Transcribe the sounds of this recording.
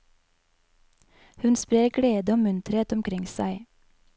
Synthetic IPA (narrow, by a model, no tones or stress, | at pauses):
hʉnspɾeːɾɡɽeːd̪əoːmʉnt̪ɾheːt̪ɔmkʰɾɪŋsæɪ